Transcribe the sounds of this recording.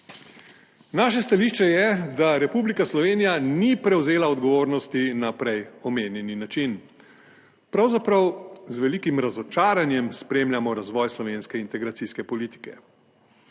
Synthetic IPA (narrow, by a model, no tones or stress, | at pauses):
naːʃɛst̪aliːʃt͡ʃɛjɛd̪aɾɛpublikaslɔʋeːnijanipɾɛwzeːlaɔd̪ɡɔʋoːɾnɔst̪inapɾɛjɔmeːnjɛninat͡ʃin | pɾawzapɾɐwzʋɛliːkimɾazɔt͡ʃaːɾanjɛmspɾeːmlʲjamɔɾazʋɔjslɔʋeːnskɛint̪ɛɡɾat̪iskɛpɔliːt̪i̥kɛ